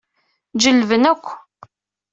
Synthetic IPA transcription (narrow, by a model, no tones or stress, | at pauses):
d͡ʒəlvənækʷː